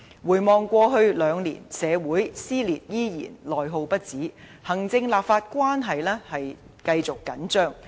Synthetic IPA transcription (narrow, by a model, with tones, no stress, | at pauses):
wuː˨˩jmɔː˨ŋkʷɔː˧ɦɵ˧ɥlœː˨˧˥ŋlḭː˨˩nsɛː˨˧wuː˨˥jsiː˥liː˨˩t̚jiː˥jḭː˨˩nlɔː˨jɦo˧wpɐ˥t̚t͡siː˨˥ | hɐ˨˩ŋt͡sɪ˧ŋlaː˨˩p̚faː˧t̚kʷwaː˥nɦɐ˨jlɛː˥hɐ˨j | kɐ˧jt͡sʊ˨kːɐ˨˥nt͡ʃœː˥ŋ